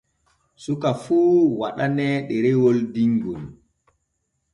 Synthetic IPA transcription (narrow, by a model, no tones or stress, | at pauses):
sukafuːwa̰ɗanɛɗɛɾɛwɔldiŋɡun